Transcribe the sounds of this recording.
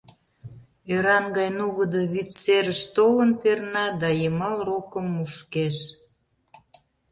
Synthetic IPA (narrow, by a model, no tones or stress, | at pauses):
øɾɑnɡɑjnuɣəd̪əβyt̪seɾəʃt̪olənpernɑd̪ɑjəmɑlrokəmːuʃkeʃ